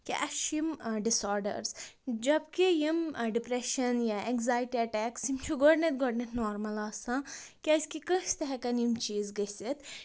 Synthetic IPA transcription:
kiʔɐʃimɖisoːɾɖɐ̰ɾsd͡ʒɐbkijimɖipɾeʃɐnjaekzaːjʈiɐʈɛːksimt͡ʃʰuɡoɽnɐt̪ɡoɖnɐt̪noːɾmɐlaːsãkiɐsʲkikə̃ʃt̪ɐɦɐkɐnjimt͡ʃiːzɡɐsit̪

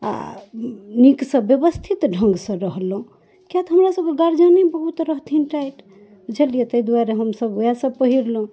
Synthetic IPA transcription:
a̰ | niksə̃bjəbəst̪ʰit̪ɖʱə̃ŋɡsə̃ɾəɦlũ | kjat̪ɦəmɾasəb̚keɡaɾd͡ʒanebəɦut̪ɾəɦt̪ʰinʈajʈ | d͡ʒəlijet̪əjd̪waɾeɦəmsəbojasə̃b̚pəɦiɾlũ

